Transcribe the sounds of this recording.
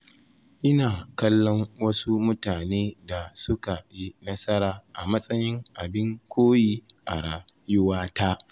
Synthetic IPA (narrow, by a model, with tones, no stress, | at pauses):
ʔɪ˦naː˨kɐ˦lːɔ˦ŋwɐ˦su˦mʊ˦taː˨neː˦da˨sʊ˦ka˨ji˦nɐ˦sɐ˦ɾaː˨ʔa̰˨mɐ˦sʼɐ˦jɪ˦ŋʔa˨bɪ˦ŋkʷʰoː˦jiː˦ʔa̰˨ɽaː˨jʊ˦waː˦taː˦ʔ